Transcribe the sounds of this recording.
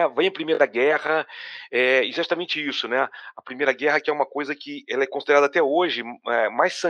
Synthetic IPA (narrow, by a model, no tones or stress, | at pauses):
vẽj̃ɐ̃pɾimejɾɐd̪ɐɡɛhɐɛizat̪ɐmẽnt͡ʃɪisʊnɛɐpɾimejɾɐɡɛɦɐkɪɛũmɐkojzɐkɪɛlɐɛkõsid̪eɾad̪ɐat̪ɛoʒɪɛmajsːɐ̃